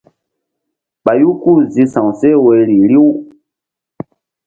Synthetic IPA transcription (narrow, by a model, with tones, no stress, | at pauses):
ɓa˨ju˦ku˦˨zi˨sã˨wsɛ˦we˨li˨li˦w